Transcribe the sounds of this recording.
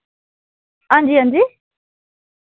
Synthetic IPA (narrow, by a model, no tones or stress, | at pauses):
andiand̪i